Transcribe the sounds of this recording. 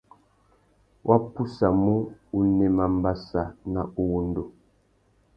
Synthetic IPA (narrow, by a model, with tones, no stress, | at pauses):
wʔa˦pu˦sa˨mu˦u˦nɛ˨ma˨m˦ba˦sa˨na˨u˦wu˦n̩˦do˨